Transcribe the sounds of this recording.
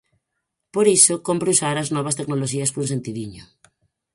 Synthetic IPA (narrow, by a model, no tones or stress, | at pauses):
poɾisokompɾusaɾaznɔβ̞ast̪eknoloʃiaspɾunsent̪iðiɲo̰